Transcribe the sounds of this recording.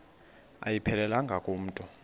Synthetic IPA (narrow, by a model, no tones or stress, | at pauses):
a̰jipʰɛlɛlaŋɡʱakʼom̩ːtʼɔ